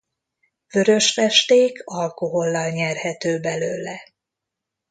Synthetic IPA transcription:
vø̞ɾø̞ʃfɛʃt̪eːkʰɒlko̞ɦo̞lːɒlɲɛrhɛt̪øːbɛløːlɛ

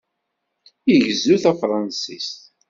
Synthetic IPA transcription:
iʝəzuθæfɾˤɑnsist̪

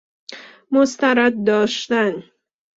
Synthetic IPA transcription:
most̪æɾæd̪̚ːɒːʃt̪æn

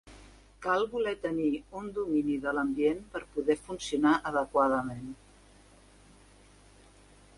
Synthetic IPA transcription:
kalˠβulɛt̪əniund̪uminiðələmbienpəɾpuðɛfunsiunaʔəðəkwað̞əmen

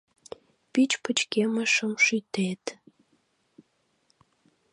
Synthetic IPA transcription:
pit͡ɕpət͡ɕkeməʃəmʃyt̪et̪

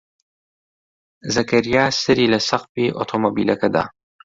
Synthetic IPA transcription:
zɐkʰɐɾijaːsɨɾiːlɐsɐqfiːʔo̰t̪ʰomobiːlɐkʰɐd̪a̰ː

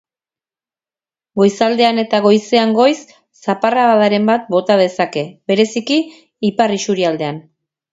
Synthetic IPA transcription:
ɡo̞jsald̪e̞ane̞t̪aɣo̞jse̞aŋɡo̞jsː | aparaβaðaɾe̞mbat̪̚bo̞t̪að̞e̞sake̞βe̞ɾe̞sikiː | parisuɾiald̪e̞an

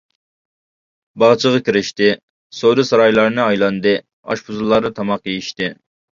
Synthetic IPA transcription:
bɑʁt͡ʃʰəʁɑkʲiɾɪʃt̪ɪ | sod̪ɨsɑɾɑjlˠɑɾnɨɑjlˠɑnd̪ɨ | ɑ̰ʃpʰuzɨlˠːɑɾd̪ɑt̪ʰɑmɑqjejiʃt̪ɪ

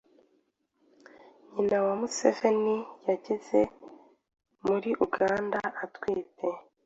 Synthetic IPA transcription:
ɲinawamusevenijaɟeze | muɾiʔuɡaːndaʔːtwiːtʰe̞

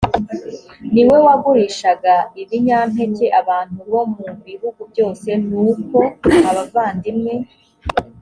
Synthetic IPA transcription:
niwe̞waɡuɾiʃaɡaiβiɲaːm̥he̞ce̞ʔaβaːn̥huβo̞muβiɦuɡubɟo̞ːse̞nuːko̞aβavaːndimŋe̞

